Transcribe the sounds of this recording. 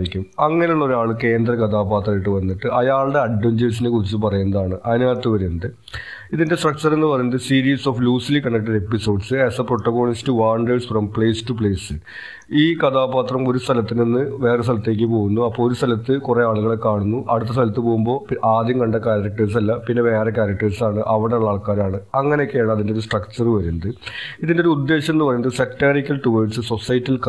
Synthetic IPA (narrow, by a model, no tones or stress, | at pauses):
ɾikʲːumɐŋːɐneuɭːɐo̞ɾuaːɭɨke̞ːnd̪rɐkɐd̪ʰaːpaːt̪rɐjiʈːɨʋɐnːiʈːɨɐjaːɭɽe̞ɐɖːuɲd͡ʑeʋs̬inekurit͡ɕːɨpɐrɐjunːɐðaːɳɨʔɐðinaːt̪ːɨʋɐɾuunːɐðɨ | iðinde̞sʈrɐk̚t͡ɕɐre̞nːɨpɐrɐjunɐðɨsiːɾiːsoːfluːslikɐɳːɐk̚ʈɐɖe̞pːiso̞ːɖsɨesɐpro̞ʈːɐɣo̞ːɳistɨʋaːrɳɖeːsfrɐmpɭeːstup̬ɭeːsɨ | iːkɐt̪ʰaːpaːt̪rɐmo̞ɾust̪ʰɐlɐt̪ːinenːɨʋe̞ːres̬t̪ʰɐlɐt̪ːe̞ːk̬ʲːɨpo̞ːɣunːuɐpːoːɭoɾust̪ʰɐlɐt̪ːɨkure̞aːɭuɣɐɭekːaːɳunːuʔɐɽut̪ːɐst̪ʰɐlɐt̪ːɨpoːɣumbo̞ːʔaːd̪jɐmkɐɳɖɐkaːɾɐɾɐk̚ʈɐɾs̬ɐlːɐpinːe̞ʋe̞ːrekaːɾɐk̚ʈɐɾsaːɳɨʔɐʋɐɽeɭːaːɭkaːɾaːɳɨɐŋːɐne̞jokːeaːɳɐðindeo̞ɾusʈrɐkt͡ɕɐnːɨʋɐɾunːɐðɨiðindeouud̪ːe̞ːɕɐmenːɨpɐrɐjunɐðɨsekʈːaːrikʲːɐlʈuːʋɐɖsɨso̞sɐjtːilk